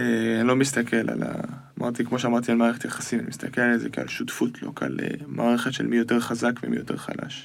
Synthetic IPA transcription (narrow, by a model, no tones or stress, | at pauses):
eanilo̞mist̪akʰe̞la̰la̰ | mʔaʁt̪ikmo̞ʃ̬eamaʁt̪ialmaːʁeχet̪jaχasimanimist̪akelalezekea̰lʃutfutlo̰ka̰lemaːʁeχet̪ʃelmijo̞te̞ʁχazakvemḭjo̞te̞ʁχa̰la̰ʃ